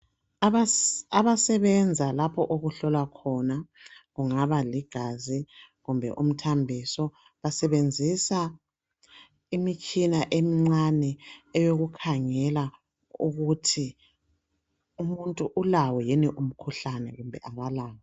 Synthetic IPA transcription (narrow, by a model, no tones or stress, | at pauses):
aβasɛβɛnd͡zʱalapʰɔʔoɣuɬɔlwakʰɔna | ɣuŋaβaliɡ̥ʱazi | ɣumbʱɛ̰ʔum̩tʰambʱisɔ | βasɛβend͡zʱisa | imikʰinaʔemiŋ͡ǀanɛɛjoɣukʰaŋɛla | ṵɣutʰi | umuntʼuʔulawɔjɛniʔum̩kʰuɬanɛ̰ɣumbʱɛ̰ʔaβalaːwa